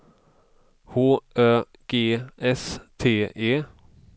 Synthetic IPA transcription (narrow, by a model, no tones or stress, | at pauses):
huːʔøː | ɡ̥eːʔɛst̪ʰeːʔeː